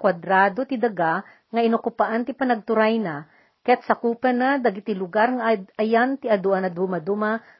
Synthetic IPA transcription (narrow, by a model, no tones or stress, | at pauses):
kwad̪ɾaːd̪ot̪ɪd̪ɐɡa | ŋɐʔɪnokʊpaʔant̪ɪpɐnɐɡ̚t̪ʊɾajna | kɐjat̪̚sɐkuːpɐnad̪ɐɡit̪ilʊɡaɾŋaʔɐjant̪ɪɐd̪uʔanɐd̪umɐd̪uma